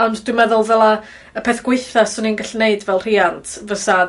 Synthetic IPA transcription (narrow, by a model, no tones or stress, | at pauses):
ɔndd̥wmɛðʊlˠvɛlˠa | əpʰeθɡ̥weɨθasʊninɡaɬneɨdvɛlˠr̥iantʰvəsa